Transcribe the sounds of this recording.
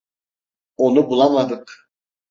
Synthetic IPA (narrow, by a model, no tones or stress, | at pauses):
onubulˠɑmɑd̪ɯq